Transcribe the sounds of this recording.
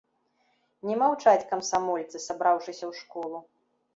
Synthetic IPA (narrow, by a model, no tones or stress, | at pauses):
nʲɛmawt͡ʂat͡sʲkɐmsamɔlʲt̪sɨsabɾawʂɨsʲɐwʂkɔlˠu